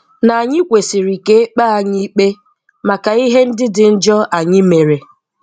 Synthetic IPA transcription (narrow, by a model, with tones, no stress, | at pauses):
na˨a˨ɲɪ˦kʷe˨si˨ɾi˨ke˦k͡pa˦a˦ɲi˦k͡pe˦ | ma˨ka˨i˦ɦe˦n̩˦dɪ˦dɪ˨n̩˦d͡ʒɔ˦ʔa˨ɲɪ˦me˨ɾe˨